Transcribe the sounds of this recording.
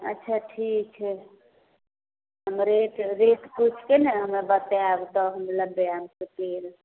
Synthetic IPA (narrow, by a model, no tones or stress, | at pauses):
ə̰tːt͡ʃʰaʈʰik̚t͡ʃʰɛ | ɦəmɾeʈɾeʈput͡ʃʰkeneɦəmebət̪eabt̪ɔɦəmeləbːeamkepeɾ